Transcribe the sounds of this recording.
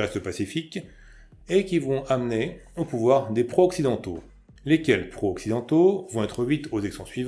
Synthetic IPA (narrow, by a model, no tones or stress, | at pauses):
ʁɛst̪əpasifik | ekʲivɔ̃amneopuvwaʁd̪epχoɔksid̪ɑ̃t̪o | lekʲɛlpχoɔksid̪ɑ̃t̪ovɔ̃ɛt̪χəɥit̪ozɛksɑ̃sɥiṽ